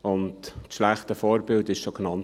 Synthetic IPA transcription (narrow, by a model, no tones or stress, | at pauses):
ʊntʃlæχtəfoːɾbɪldɪʃsɔknɑn